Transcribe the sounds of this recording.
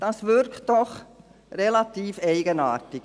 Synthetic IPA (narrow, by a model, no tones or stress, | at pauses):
d̥ɑsʋʏɾktd̥ɔχ | rɛlɑt̪iːfɛɪɡənɑ̰ːrtik